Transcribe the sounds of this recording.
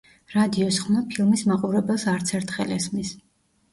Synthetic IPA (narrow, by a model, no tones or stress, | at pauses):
ɾad̪iɔsχmapʰilˠmismaqʼuɾɛbɛlˠsaɾt̪sʰɛɾt̪ʰχɛlɛsmis